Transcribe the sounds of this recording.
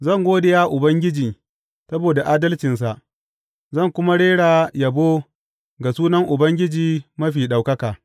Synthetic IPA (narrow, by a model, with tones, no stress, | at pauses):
zɐ˦˨ŋɡʷoː˦de˨jaː˦ʔʊ˨bɐ˦ŋɡʲɪ˦d͡ʒiː˨ | sɐ˦boː˨da˨ʔaː˦dɐ˦lt͡ʃɪ˨ns̬a˨ʔ | zɐ˦˨ŋkʷʊ˦ma˦ɽeː˦ɽaː˨jɐ˨boː˦ | ɡa˨suː˦nɐ˦ŋʔʊ˨bɐ˦ŋɡʲɪ˦d͡ʒiː˨mɐ˦ɸiː˨ɗa˨wkɐ˦kaː˨